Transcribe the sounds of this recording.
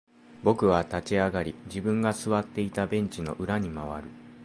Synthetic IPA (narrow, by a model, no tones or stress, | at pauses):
bo̞kɯ̟βat̪at͡ɕiaɡaɾʲid͡ʑibɯ̟̃ŋɡasɨβat̪ːe̞it̪abẽ̞ɲ̟t͡ɕino̞̰ʔɯ̟ɾaɲ̟imaβ̞a̰ɾɯ̟